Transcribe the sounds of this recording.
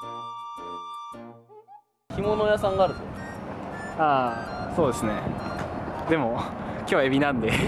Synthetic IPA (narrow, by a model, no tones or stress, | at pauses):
çimo̞no̞jasãŋɡaːɾɯ̟t̪o | aːso̞ːd̪e̞sɨne̞ | d̪e̞mo̞kʲoːβaebʲinãnd̪e̞